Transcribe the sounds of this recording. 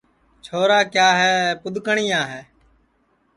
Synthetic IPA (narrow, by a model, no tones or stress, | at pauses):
t͡ʃʰoːɾaːkjaːɦɛːpʊd̪ʱkəɳiːaːɦɛː